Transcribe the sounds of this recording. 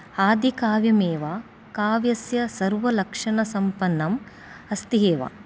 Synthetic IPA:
haːd̪ikaːʋjɐmeːʋaː | kaːʋjɐsjɐsɐɾʋɐlɐkʂɐɳɐsɐmpɐnːɐm | ɐst̪iɦeːʋa̰

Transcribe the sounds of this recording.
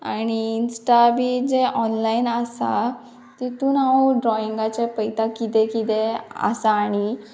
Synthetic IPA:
aɽ̃iːnsʈabid͡zeʔɔnlainasa̰ | t̪it̪uːnaoɖɾɔiŋɡat͡ɕepəjt̪akit̪ɛ̃kit̪ɛa̰saːɽ̃i

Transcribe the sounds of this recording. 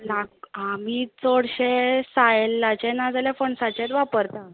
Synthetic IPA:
laɡamiːt͡soɽɕesajlːat͡ɕẽnad͡zaljafəɳsat͡ɕet̪ʋapəɾt̪a

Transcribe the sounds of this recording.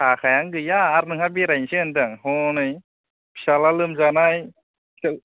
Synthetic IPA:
kʰakʰajaŋɡɯjaːɾnɯŋabiɾajnsɯɯndɯŋhɔnɯj | psalalɯmd͡ʒanaj

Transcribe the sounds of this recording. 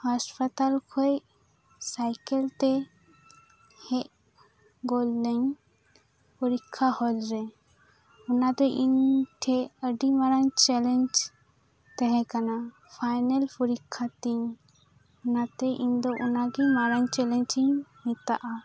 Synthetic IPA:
haspət̪alkʰɔj | sajkɛlt̪ɛ | hɛʔ | ɡoldɛɲ | pɔɾikʰːahɔd͡ʒɾɛ | ɔnad̪ɔʔiɲʈʰɛəɖimaɾaɲt͡ʃɛlɛɲd͡ʒ | t̪ɛɦɛ̃kana | pʰajnalpɔɾikʰːat̪iɲ | ɔnat̪ɛʔiɲd̪ɔʔɔnaɡimaɾaɲt͡ʃɛlɛɲd͡ʒiɲmit̪a̰ʔa

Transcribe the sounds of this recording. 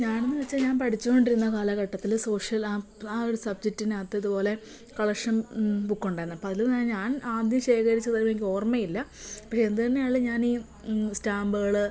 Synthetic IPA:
ɲaːnenːɨʋet͡ɕːaːlɲaːnpɐʈʰit͡ɕːuko̞ɳɖiɾunːɐkaːlɐkɐʈːɐt̪ːilso̞ːʂjɐlaː | aːoɾusɐb̚d͡ʑek̚tːinat̪ːeɐðupo̞ːle̞ | kɐɭɐʂɐmbukːuɳɖaːjɾnːɐpoɐðilːaːnɲaːnaːd̪jɐmɕe̞ːkɐɾit͡ɕːɐðɐjʋeŋkʲo̞ːrmɐjilːɐpːɐːend̪ut̪ɐnːe̞jaːɭɨɲaːniː | staːmbɨɣɐɭɨ

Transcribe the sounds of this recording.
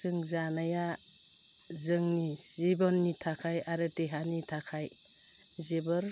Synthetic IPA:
sɯŋzanaja | zɯŋniibɔnːitʰakʰajaɾɯteɦanitʰakʰaj | zebɯɾ

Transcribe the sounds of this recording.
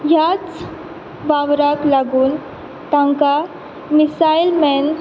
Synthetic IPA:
jat͡s | baʋɾaklaɡuːn | t̪aŋka | misajlmɛn

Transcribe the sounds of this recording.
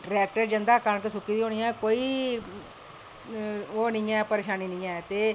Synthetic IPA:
ɖɾɛːk̚ʈəɾd͡ʒənd̪aːkank̪esʊkːiːd̪iːɦoːnijãːkoːiː | oːnĩːɛ̃ːpəɾeːʃaːniːnĩːãːt̪eː

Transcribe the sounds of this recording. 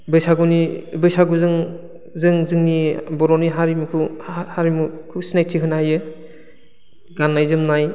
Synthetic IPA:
bɯjsaɡunibɯjsaɡuzɯŋ | zɯŋzɯŋnibɔɾɔniɦaɾimukʰɯhaɾimukʰusinajtʰiɦɯnaajɯ | ɡanːajzɯmnaj

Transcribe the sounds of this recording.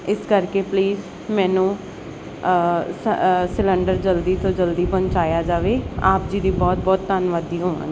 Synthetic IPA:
ɪskəɾkeːpliːz | mɛːnũː | ssɪləɳɖəɾd͡ʒəld̪iːt̪oːd͡ʒəld̪iːpə̃ɲt͡ʃaːjaːd͡ʒaːʋeːaːpd͡ʒiːd̪iːbɔːt̪̚bɔːt̪ːənʋad̪iːɦoːʋã̰ːŋɡiː

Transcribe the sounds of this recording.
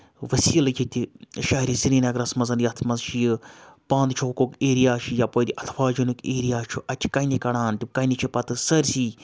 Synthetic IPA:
ʋɐsiːlɡʲit̪ʲiʃaːiɾisiɾiːnɐɡɾɐsmɐzɐnjɐt̪ʰmɐzʃijɨpãːnd̪t͡ʃʰoːkokeːɾijaːʃʰijapoːd̪ʲiʔɐt̪ʰfaːd͡ʒunukeːɾijaːt͡ʃʰuʔɐt͡ʃʲʰi̥kɐnikɐɽaːnt̪ʲikɐnit͡ʃʰipɐt̪ɨsɐɾsiː

